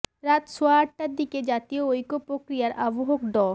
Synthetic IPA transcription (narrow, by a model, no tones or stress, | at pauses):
ɾat̪soaaʈʈad̪iked͡ʑat̪ioojkopɾokɾijaɾʔaboɦokɖɔ